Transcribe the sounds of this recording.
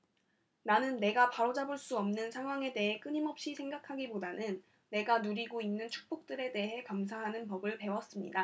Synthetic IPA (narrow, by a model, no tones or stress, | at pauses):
nanɯnːe̞ɡapaɾod͡ʑabɯɭs͈uʌmnɯnsʰaŋɦwaŋe̞de̞ɦe̞k͈ɯɲimʌp̚ɕ͈isʰeŋɡakʰaɡipodanɯnː | e̞ɡanuɾiɡoinːɯnt͡ɕʰu̥k̚p͈ok̚t͈ɯɾe̞de̞ɦe̞kams̬ʰaɦanɯnpʌbɯɭpe̞wʌs͈ɯmɲḭda